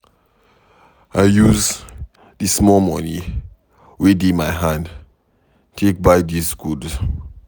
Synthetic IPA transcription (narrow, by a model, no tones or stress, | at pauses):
aɪjuz | dismɔlmɔ̰ni | widĩmajɦãnd | tʰek̚baɪdisɡudz